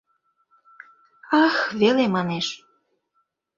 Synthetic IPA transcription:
ɑxβelemɑneʃ

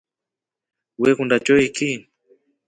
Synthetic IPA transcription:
wɛkundat͡ʃɔikin

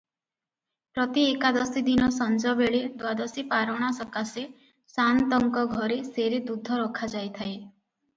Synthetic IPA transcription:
pɾɔt̪iekad̪ɔsid̪inɔsɔnd͡ʒɔbeɭed̪wad̪ɔsipaɾɔɽ̃asɔkase | sant̪ɔŋkɔɡʱɔɾeseɾed̪ud̪ʱːɔɾɔkʰad͡ʒajt̪ʰae

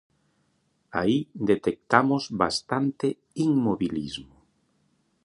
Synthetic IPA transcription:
aid̪et̪ek̚t̪amozβa̰st̪ant̪e | iŋmoβilḭzmʊ

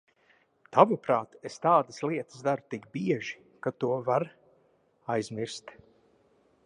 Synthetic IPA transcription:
t̪ʰavapɾaːt̪est̪aːd̪əslˠiɛt̪ə̥sd̪aɾut̪iɡbiɛʒi | kat̪uɔvaɾ | ajzmiɾst̪

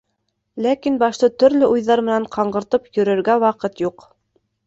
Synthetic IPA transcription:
lækinbɑʃt̪ˠɤt̪ɵ̆ɾlɵʔujðɑɾmɘ̆næɴqʰɑɴɢɤ̆ɾt̪ɤpjɵ̆ɾɘ̆ɾɡæwɑqɤt̪juq

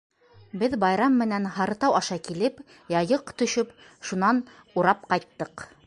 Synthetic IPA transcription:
bɘðbɑjɾɑmːɘ̆nænhɑɾɤ̆t̪ɑwɑʃɑkilɘp | jɑjɤqt̪ɵ̆ʃɵp | ʃunɑn | uɾɑpqɑjt̪ːɤq

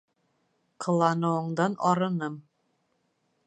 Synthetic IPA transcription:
qʰɤ̆lˠɑnɤ̆wɤ̆ɴd̪ɑnʔɒɾɤ̆nɤm

